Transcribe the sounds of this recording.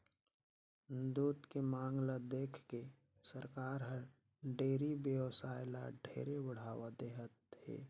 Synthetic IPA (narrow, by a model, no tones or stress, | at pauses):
d̪uːt̪kemaːŋɡlad̪eːkʰke | səɾkaːɾɦəɾ | ɖeːɾibjəʋsaːɪla̰ɖʱḛːɾebəɽ̤aːʋad̪eːɦət̪̚hḛː